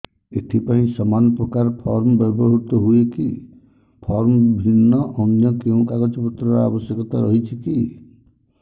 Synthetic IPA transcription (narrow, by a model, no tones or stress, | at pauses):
eʈʰipaĩsɔmanɔpɾɔkaɾpʰɔɾmɔbɔbʱɔɦut̪ɔɦueki | pʰɔɾmbʱinːɔʔɔnjɔkeũkaɡɔt͡ʃɔpɔt̪ɾɔɾa̰bɔsjɔkɔt̪a̰ɾɔɦit͡ʃʰiki